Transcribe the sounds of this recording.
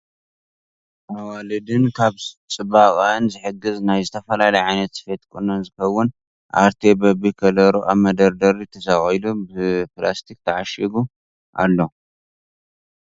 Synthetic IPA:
ʔawalɨd̪ɨnkʰaβt͡sʼɨbakʼanzɨħɨɡɨznajzɨt̪ʰɐfɐlalɐjʕajnɐt̪sɨ̥fet̪kʼunɐnzɨxɐwːʊn | ʔa̰ɾt̪ʰebɐbikʰɐlɐɾuʔamɐd̪ɐɾd̪ɐɾit̪ʰɐsaχʼɐjlubɨplast̪ʰik̚ʼt̪ʰɐʕaʃiɡu | ʔa̰lːo

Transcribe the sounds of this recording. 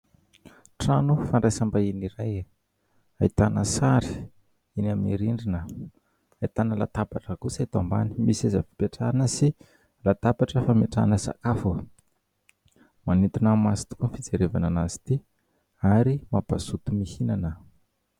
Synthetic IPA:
ʈ͡ʂanufaɳɖ͡ʐajsambainiɾaj | ait̪anəsaɾi̥ | inaminiɾiɳɖ͡ʐinə | ajt̪anəla̰t̪apaʈ͡ʂəkusajt̪amba̰ni̥misazəfi̥peʈ͡ʂaɾanəsi | lat̪apaʈ͡ʂəfameʈ͡ʂanəsa̰kafu | manit̪unamasi̥t̪u̥kunfid͡zeɾevananazi̥t̪i | aɾimaba̰sut̪umihinanə

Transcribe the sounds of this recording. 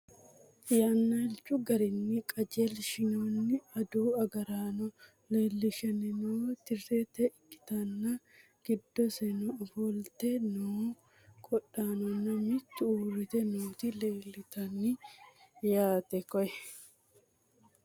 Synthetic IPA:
jaːnːɐɛlt͡ʃʊɡɐɾɪnːɪkʼɐd͡ʒelʃɪnoːnːɪɐd̪uːɐɡɐɾaːnɔ | leːlːɪʃɐnɪnoːt̪ɪrːet̪ɛʔkʼːɪ̥t̪ɐnːɐ | ɡ̥ɪd̪ːɔsɛnɔfɔlt̪ɛnuː | kʼɔᶑaːnɔnːɐmɪt͡ʃːrɪt̪ɛnuːt̪ɪleːlːɪt̪ɐnːɪ | jaːt̪ɛkɔjɛ

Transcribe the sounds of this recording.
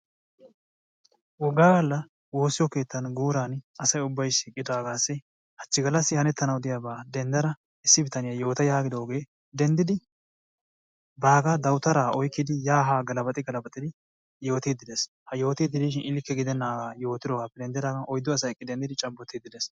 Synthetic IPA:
wɔɡaːɡɐlːɐ | wo̞ːsːɪjɔke̞ːt̪ːɐnɡuːɾanɐsɐjʊbːɐjʃiːkʼːɪd̪aːɡaːsːɪ | hɐt͡ʃːɪɡɐlːɐsːɪhɐnɛt̪ːɐnɐwd̪ɪjaːbaːd̪ɛnd̪ɐɾɐ | ɪsːɪbɪt̪ɐnɪjajo̞ːt̪ɐjaːɡɪd̪o̞ːɡe̞ː | d̪ɛnd̪ɪd̪ɪ | baːɡad̪ɐwt̪ɐɾaːɔjkːɪd̪ɪjaːɦaːɡɐlɐbɐt̪ʼɪɡɐlɐbɐt̪ʼɪd̪ɪ | jo̞ːt̪iːd̪ːɪd̪ɛs | hɐjo̞ːt̪iːd̪ːɪd̪iːʃ̬ɪnɪlɪkːɛɡɪd̪ɛnːaːɡaːjo̞ːt̪ːɪd̪ɔɡaːpːɛd̪ɛnd̪ɪd̪aːɡɐʔɔjd̪ːɔɐs̬ɐjɛkʼːɪd̪ɛnd̪ɪd̪ɪt͡ʃʼɐbːɔt̪ːɪd̪ːɪd̪ɛs

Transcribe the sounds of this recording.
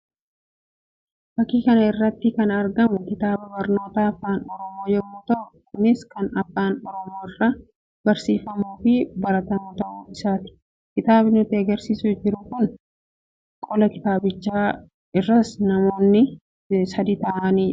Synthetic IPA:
bɐkːiːkɐnɐɪrːɐt̪ːɪkɐnɐɾɡɐmʊkɪt̪aːbɐbɐɾno̞ːt̪aːɐfːaːnɔɾɔmo̞ːjɛmːʊːt̪ɐʔʊkʊnɪskɐnɐfːaːnɔɾɔmo̞ːɪrːɐ | b̥ɐɾsiːfɐmuːfɪbɐɾɐt̪ɐmʊt̪ɐʔʊːɪsaːt̪ɪ̥ | kɪt̪aːbɪnʊt̪ːɪɐɡɐɾsiːsʊd͡ʒɪɾʊkʊn | kʼɔlɐkɪ̥t̪aːbɪt͡ʃːaː | ɪrːɐsnɐmo̞ːnːɪ | sɐd̪iːt̪ɐʔɐniː

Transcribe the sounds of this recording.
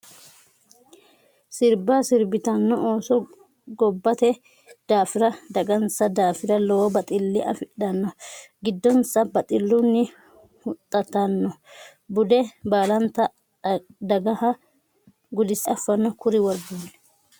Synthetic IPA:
sɪɾbasɪɾbɪt̪ɐnːɔoːsɔ | ɡɔbːɐt̪ɛ | d̪̥aːfɪɾɐd̪ɐɡɐnsɐd̪aːfɪɾɐlɔwɔbɐt̪ʼɪlːɪʔɐ̰fɪɗɐnːɔɡɪd̪ːɔnsɐbɐt̪ʼɪlːʊnːɪ | hʊt̪ʼːɐt̪ːɐnːɔ | bʊd̪ɛbaːlɐnt̪ɐ | d̪ɐɡɐhɐ | ɡʊd̪ɪsɪɐfːɐnːɔkʊɾɪwɔɾɡuːnɛ̥

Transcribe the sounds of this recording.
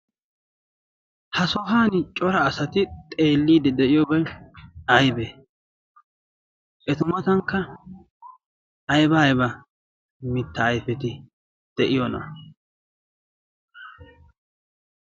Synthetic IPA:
hɐsɔɦaːnt͡ʃʼɔɾɐːsɐt̪ɪt̪ʼe̞ːlːiːd̪ɛd̪ɛʔɪjɔbɐ | ɐjbe | ʔɛt̪ʊmɐt̪ɐŋkːɐ | jbɐːjbɐ | mɪt̪ːɐːjfɛt̪ɪ | d̪̥ɛʔɪjɔnɐ̰

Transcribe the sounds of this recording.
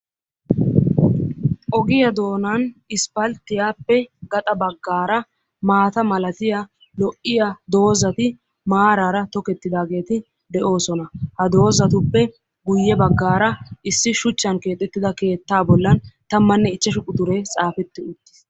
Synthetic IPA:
ʔɔɡɪjɐd̪o̞ːnanɪspɐlt̪ːɪjaːpːɛɡɐt̪ʼɐbɐɡːaːɾɐ | maːt̪ɐmɐlɐt̪ɪja | lɔʔɪjad̪o̞ːzɐt̪ɪ | maːɾaːɾɐt̪ɔkɛt̪ːɪd̪aːɡe̞ːt̪ɪ | d̪ɛʔo̞ːsɔnɐhɐd̪o̞ːzɐt̪ʊpːɛ | ɡʊjːɛbɐɡːaːɾɐʔɪsːɪʃʊt͡ʃːɐnke̞ːt̪ʼːɛt̪ːɪd̪ɐke̞ːt̪ːaːbɔlːɐnt̪ɐmːɐnːɛɪt͡ʃːɛʃʊkʼʊd̪ʊɾet͡sʼaːfɛt̪ːɪʊt̪ːɪ̥s

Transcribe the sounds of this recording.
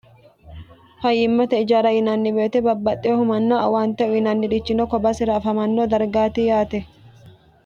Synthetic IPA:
fɐjːɪmːɐt̪ɐɪd͡ʒaːɾɐjɪnaːnːɪbeːt̪ɛbɐbːɐt̪ʼːɪhʊmɐnːaːɐ̰waːnt̪ɐʔʊɪnaːnːɪᶑɪt͡ʃːɪnoːkɔbasɪɾɐːfɐmɐnːoːd̪ɐɾɡaːt̪iːjaːt̪ɛ

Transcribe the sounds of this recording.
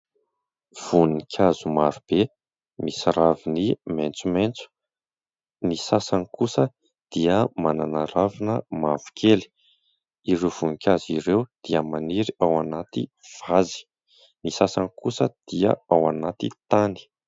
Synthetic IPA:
v̥unikʲʰazumaɾub̥e | misaɾaviniment͡sument͡su̥ | nisasanikusə | d̪̥iəmananaɾavinəmavu̥kʰʲeli̥ | iɾev̥unikʲaziɾewd̪̥iəmaniɾiawanat̪iv̥azi̥ | nisasanikusəd̪̥iə̰awanat̪it̪ani̥

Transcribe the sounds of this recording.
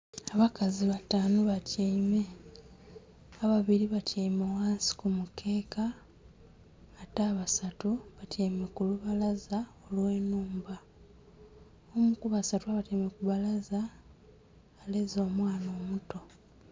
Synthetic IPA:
aβakaziβataːnoβaceime̞ | aβaβiɾiβaceimowaːnsi̥kumukʰe̞ːka | taːβasatuβaceimekuluβalazao̞lwe̞ːnuːmba | omukuβasatuaβateimekuβalaza | lezo̞ːmwaːno̞ːmuto̞

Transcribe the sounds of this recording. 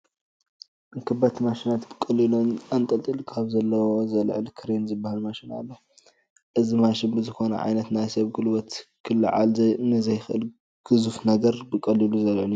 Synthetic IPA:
ʔɨŋkʰɨbat̪ʰmaʃinat̪bɨkʼɐlːilunant̪ʼɐlt̪ʼɨlkʰaβzɐlːɐwozɐlʕlkʰɨɾenzɨbːahalmaʃina̰lːo | ʔɨzimaʃɪnbɨzɨxo̞nɐ̰ʕa̰jnɐt̪najsɐβɡɨlwɐt̪kʰɨlːɨ̰ʕa̰lnɨzɐjxɨʔɨl | ɡ̥ɨzufnɐɡɐɾbɨkʼɐlːiluzɐlʕɨlju

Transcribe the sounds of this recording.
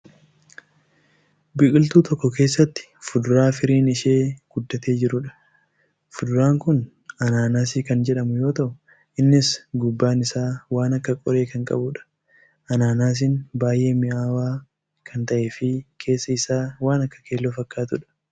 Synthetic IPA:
bɪkʼɪlt̪uːt̪ɔkːɔke̞ːsːɐt̪ːɪ̥fʊd̪ʊɾaːfɪɾiːnɪʃeːɡ̥ʊd̪ːɐt̪e̞ːd͡ʒɪɾʊᶑɐ̥ | fʊd̪ʊɾaːŋkʊn | ɐnaːnaːsiːkɐnd͡ʒɛᶑɐmʊjo̞ːt̪ɐʔʊ | ʔɪnːɪsɡʊbːaːnɪsaːwaːnɐkːɐkʼɔɾe̞ːkɐŋkʼɐ̰bʊᶑɐ̥ | ʔɐnaːnaːs̬ɪnbaːjʔe̞ːmɪʔaːwaː | kʰɐnt̪ɐʔe̞ːfɪkʰe̞ːsːɐɪsaːwaːnɐkːɐ̥keːlːofɐkːaːt̪ʊᶑɐ̥

